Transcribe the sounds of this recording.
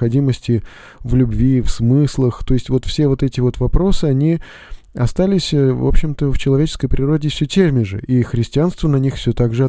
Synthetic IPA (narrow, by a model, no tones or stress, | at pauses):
ɐdʲiməsʲtʲɪ | vlʲʉbvʲifsmɨslˠəxt̪o̞ɪsʲtʲvo̞t̪fsʲe̞vo̞t̪ɛtʲɪvo̞t̪vɐpɾo̞sɨɐnʲi | ɐst̪alʲɪsʲvo̰pɕːɪmt̪əft͡ɕɪlˠɐvʲet͡ɕɪ̥skəjpɾʲɪɾo̞dʲɪfsʲɵtʲermʲɪʐɨ̰ʔixɾʲɪsʲtʲɪanst̪vənɐnʲixfsʲɵt̪aɡʐɨɐ